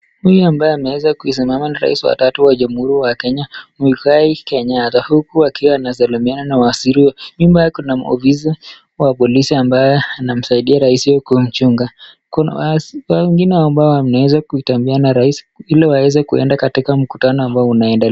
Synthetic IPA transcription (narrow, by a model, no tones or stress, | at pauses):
hujuambajɛamɛwɛzakuis̬imamanaɾa̰isiwa̰tatuwaʄamuhuɾiwakɛɲamikaikɛɲatahukuakiwaːnasalimiananawasiɾiwɛnimbakunamɔ̰fiza | wapɔlisiambajɛanam̩saiɗiaɾaisiwɔkum̩t͡ʃuŋɡa | kkawɛŋɡinɛaɔmbaɔanawɛzakuitambianaɾais | ilɛwawɛzɛkuɛ̰ndakatikam̩kutanɔambaɔunaɛndɛlɛ